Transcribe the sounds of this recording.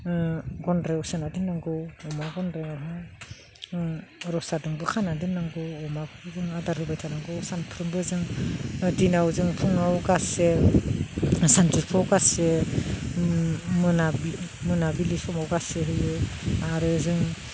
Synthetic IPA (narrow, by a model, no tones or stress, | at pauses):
ɡɔndɾewsenadinːaŋɡɯwɔmaɡɔndɾeaɦɯ | ɾɔsadɯŋbɯkʰanadinːaŋɡɯwɔmakʰɯzɯŋadaɾhɯbajtʰanaŋɡɯwsanpʰɾɯmbɯzɯŋdinawzɯŋpʰuŋawɡase | santupʰawɡase | mɯnabmɯnabilisɔmawɡaseɦɯjɯaɾɯzɯŋ